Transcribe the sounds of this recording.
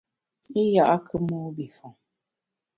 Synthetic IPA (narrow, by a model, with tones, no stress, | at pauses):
i˦ja˨ʔa˦kʰɨ˦muː˦bi˨fɔ˨ŋ